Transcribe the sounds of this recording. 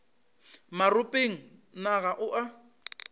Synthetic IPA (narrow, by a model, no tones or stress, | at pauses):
marʊpʼeŋ̩naɣaʔʊʔa